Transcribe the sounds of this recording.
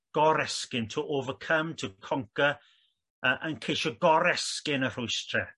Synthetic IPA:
ɡ̥ɔɾɛskɪntʰəʔovəkʰəmtʰəkʰɔŋkə | əʔənkʰejʃɔɡɔɾɛskɪnər̥ʊɨstʰrɛ

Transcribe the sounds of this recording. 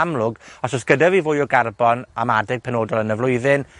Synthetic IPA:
amlʊɡɔsɔsɡ̥ədavivʊːjɔɡarbɔnamadɪɡ̥̚pʰɛnoːdɔlˠənəvlʊɨðɪn

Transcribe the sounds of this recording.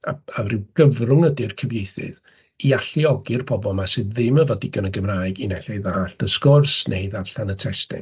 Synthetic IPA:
a̰arɪwɡ̥əvrʊŋədɪrkʰəvjejθɨ̰ð | iaɬiɔɡɪrpʰɔbɔlˠmasɨððɪməvɔdiɡənəɡəmrajɡinɛɬɛðaːɬtəskɔrsnʔeɨðarɬanətʰɛstɪ̰n

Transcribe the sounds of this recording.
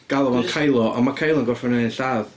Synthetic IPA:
ɡ̥alˠɔvankʰajlˠɔʔa̰makʰajlˠɔənɡɔrfɔnɛɪnɬað

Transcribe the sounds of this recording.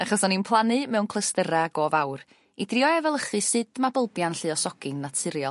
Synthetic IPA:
aχɔsɔninpʰlˠanɨmɛwnkʰlˠəstəɾaɡoːvawr | idrɪɔɛvɛlˠəχɨsɨd̥mabəlˠbjanɬɨɔsɔɡ̥ɨnːatʰɨɾjɔ

